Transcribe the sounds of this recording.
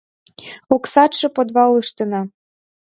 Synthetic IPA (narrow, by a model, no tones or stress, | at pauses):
uksɑt̪ʃɤ̆pod̪vɑlˠɨʃt̪ɤ̆nɑ